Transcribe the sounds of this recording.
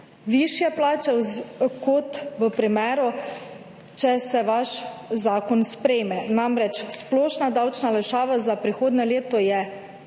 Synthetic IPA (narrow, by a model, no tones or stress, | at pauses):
ʋiʃjɛplaːt͡ʃɛkɔt̪ʋəpɾimɛːɾɔ | t͡ʃɛsɛʋaʃzaːkɔnspɾɛjmɛnamɾɛt͡ʃsplɔːʃnad̪awt͡ʃnalɛʃaːʋazapɾixoːd̪nɛleːt̪ɔjɛ